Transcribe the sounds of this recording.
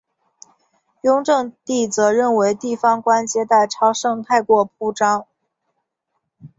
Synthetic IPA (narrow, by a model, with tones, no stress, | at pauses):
jʊ˥ŋʈ͡ʂɤ˥˧ŋt̪i˥˩t͡sɤ˧˥ɻə˥˩nwe˧˥ɪt̪i˥˩fɑ˧˥ŋkwa˥nt͡ɕjɛ˥t̪a˥˩ɪʈ͡ʂʰɑ˥ʊʂɤ˥˧ŋt̪ʰa˥˧ɪkwɔ˥˩p̚ʰu˥ʈ͡ʂɑ˥ŋ